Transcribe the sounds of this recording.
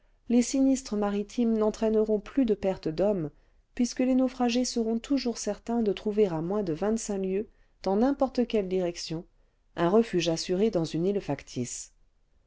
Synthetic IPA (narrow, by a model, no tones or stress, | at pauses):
lesinist̪χəmaʁit̪ʰimnɑ̃t̪χɛnəʁɔ̃plyd̪əpɛʁt̪əd̪ɔm | pɥiskəlenofχaʒesəʁɔ̃t̪ʰuʒuʁsɛʁt̪ɛ̃d̪ət̪χuveʁamwɛ̃d̪əvɛ̃t̪sɛ̃ljø | d̪̥ɑ̃nɛ̃pɔʁt̪əkʲɛld̪iʁɛksjɔ̃ | ɛ̃ʁəfyʒasyʁed̪ɑ̃zynilfakt̪ʰis